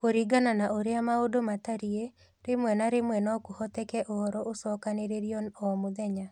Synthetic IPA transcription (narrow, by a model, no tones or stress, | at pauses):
oɾiɡananaʔoɾeamaodomataɾie | ɾemwɛnaɾemwɛnaɔkuhɔtɛkɛʔɔɾɔʔosɔkaneɾeɾjɔɔmuðɛɲa